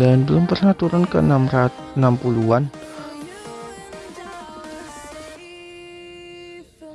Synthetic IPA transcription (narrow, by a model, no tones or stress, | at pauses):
andəlampərŋat̪uɾankə̰namra | nampuluan